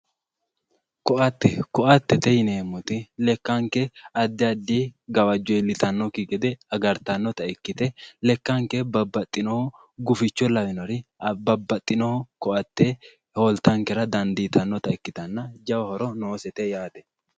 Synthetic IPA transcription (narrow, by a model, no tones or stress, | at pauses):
kɔʔɐt̪ːɛkɔʔɐt̪ːɛt̪ɛjɪneːmːɔt̪ɪlɛkːɐŋkɛɐd̪ːɪɐd̪ːiːɡɐwɐd͡ʒːɔjlɪt̪ɐnːɔkɪɡɛd̪ɛɐɡɐɾt̪ɐnːɔt̪ɐɪkːɪt̪ɛlɛkːɐŋkɛbɐbːɐt̪ʼːɪnɔhɔ | ɡʊfɪt͡ʃːɔlɐwɪnɔɾɪbɐbːɐt̪ʼːɪnɔhɔkɔʔɐt̪ːe | holt̪ɐŋkɛɾɐd̪ɐnd̪iːt̪ɐnːɔt̪ɐɪkːɪt̪ɐnːɐd͡ʒɐwɐhɔɾɔno̞ːsɛt̪ɛjaːt̪ɛ̥